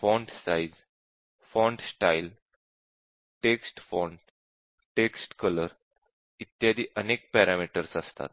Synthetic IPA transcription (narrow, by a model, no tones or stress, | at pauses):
fɔ̃ɳɖsajz | fɔ̃ɳɖsʈail | ʈeksʈfɔɳɖ | ʈeksʈkələɾ | it̪jad̪iːʔənek̚pɛɾamiʈəɾsəst̪a̰t̪̚